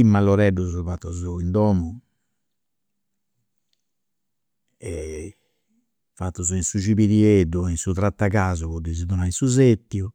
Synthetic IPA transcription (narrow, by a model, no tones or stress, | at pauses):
imːalːɔɾɛɖːuzuvat̪ːuzuind̪ɔːmu | ɛ | fat̪ːuzuinsud͡ʒiβiɾiedːuinsut̪ɾat̪ːaɣaːzuβɔɖ̪ːiziðɔnainsuzet̪ːju